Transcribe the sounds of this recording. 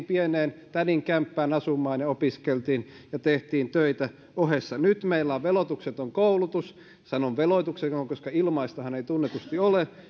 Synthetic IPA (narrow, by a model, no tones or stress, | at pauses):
mpieneːnt̪æniŋkæmpːæːnɑsumːˑɑːnjɑopiskelt̪iːnjɑt̪eht̪iːnt̪øit̪æ | ohesːɑnyt̪meilːɑːʋʋelot̪ukset̪oŋkoulut̪us | sɑnoʋʋeloit̪uksekoŋkoskɑilmɑist̪ohɑneit̪unːet̪ust̪iole